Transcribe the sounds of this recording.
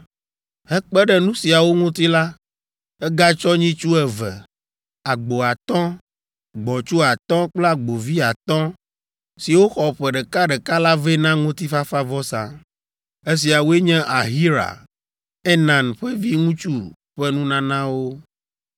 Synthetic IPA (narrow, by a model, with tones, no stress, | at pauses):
hɛ˦k͡pɛ˦ɖɛ˦nũ˦si˨a˨wo˦ŋũ˦t̪i˦la˦ | ɛ˦ɡa˦t͡ʃɔ˦ɲĩ˦t͡ʃu˦ɛ˨vɛ˨ | a˨ɡ͡bo˨a˨t̪ɔ̃˦ | ɡ͡bɔ̃˨t͡ʃu˦a˨t̪ɔ̃˦k͡plɛ˦a˨ɡ͡bo˨vi˦a˨t̪ɔ̃˦ | si˨wo˦xɔ˨ɸɛ˨ɖɛ˨ka˦ɖɛ˨ka˦la˦ve˦nã˦ŋũ˦t̪i˦fa˦fa˦vɔ˦sã̰˨ | e˦s̬i˨a˨wo˦e˦ɲɛ̃˦ʔa˨ɦi˦ɾa̰˨ | ɛ˦nã˨nɸɛ˦vi˦ŋũ˦t͡ʃu˦ | ɸɛ˦nũ˦nã˦nã˦wo˦